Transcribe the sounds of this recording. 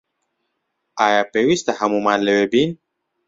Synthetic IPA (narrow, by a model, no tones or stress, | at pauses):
ajapewist̪ahamumalewebin